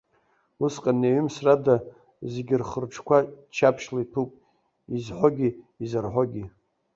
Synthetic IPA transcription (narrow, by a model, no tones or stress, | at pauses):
usqʼaneɥʏmsrada | zeɡʲɪrχərʈ͡ʂʰkʷat͡ʃʰapʰʃlaitʰupʼ | izħʷoɡʲiːzarħʷoɡʲi